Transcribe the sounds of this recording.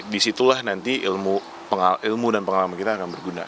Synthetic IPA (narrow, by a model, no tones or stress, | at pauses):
disit̪ulahnant̪iʔilmu | pəŋailmudanpəŋalamankit̪aːkanbərɡuna̰